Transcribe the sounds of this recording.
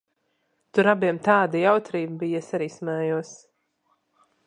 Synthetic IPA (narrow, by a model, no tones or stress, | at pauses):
t̪uɾabiɛmt̪aːd̪ijawt̪ɾiːbbijasaɾiːsmɛːjuɔs